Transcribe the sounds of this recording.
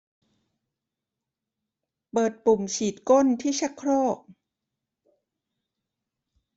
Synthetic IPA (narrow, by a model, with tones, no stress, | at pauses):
pɤː˨˩t̪̚pu˨˩mt͡ɕʰiː˨˩t̪̚ko˥˨nt̪ʰiː˥˩t͡ɕʰa˦˥kʰːɾoː˥˩k̚